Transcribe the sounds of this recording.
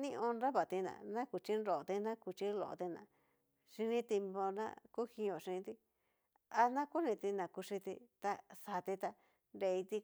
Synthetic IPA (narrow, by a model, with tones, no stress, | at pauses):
nĩ˦ʔõ˧nɾa˦βa˨t̪i˧nã̰˨nã˦ku˨t͡ʃi˦nɾo˨t̪i˧nã˦ku˧t͡ʃi˦lo̰˨˧t̪i˧nã̰˨ | ʂi˧nĩ˦t̪e˧mbo˧nã̰˦ku˦hĩ˧˦˧õ˨ʂĩ˧t̪i˦ | a˧nã˦ku˦nĩ˧t̪i˧nã˨ku˧ʂi˧t̪ḭ˧t̪a˧sa˨t̪i˧t̪a˧ | nɾe˧i˧t̪i˧